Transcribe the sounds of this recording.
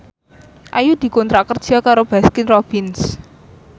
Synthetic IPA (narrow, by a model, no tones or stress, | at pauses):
ʔajud̪̥i̤kɔnt̪ɾakərd̥ʒ̥a̤kaɾob̥askɪnrob̥ɪns